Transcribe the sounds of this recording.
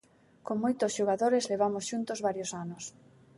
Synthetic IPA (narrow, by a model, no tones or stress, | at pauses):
koŋmojt̪ʊsʃoɣaðoɾezleβ̞amosʃunt̪ozβaɾjosanʊs